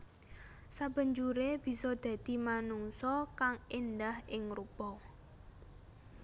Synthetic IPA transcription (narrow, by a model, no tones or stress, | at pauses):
sab̥ə̤ɲd͡ʒuɾeb̥i̤sɔd̪̥ä̤d̪̥i̤manuŋsɔkaŋind̪ahɪŋɾupɔ